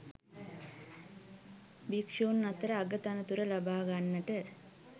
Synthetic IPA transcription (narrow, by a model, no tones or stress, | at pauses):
bikʂoːnːat̪əɾəaɡət̪anət̪uɾəlabaːɡanːəʈə